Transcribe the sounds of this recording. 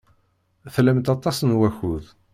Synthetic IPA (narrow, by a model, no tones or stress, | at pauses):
θlæmt̪ɑt̪ˤːɑsənwæçuð